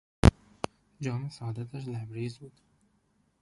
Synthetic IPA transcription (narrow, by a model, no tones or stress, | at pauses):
d͡ʒɑːmɪsd̪at̪aʃ̬labɾizbud̪̥